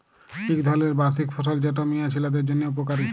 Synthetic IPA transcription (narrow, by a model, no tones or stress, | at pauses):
ʈʰikd̪ʱɔleɾbaɾsikfʰoʃald͡ʑɛʈomijat͡ɕʰilad̪eɾd͡ʑonːeup̬okaɾit̪ʰ